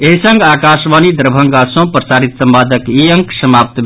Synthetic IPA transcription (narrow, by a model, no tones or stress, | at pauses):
eɦisəŋɡakasmanid̪ɾbʱəŋɡasõpɾəsaːɾit̪səmbaːd̪ʱəkiəŋksəmap̚t̪b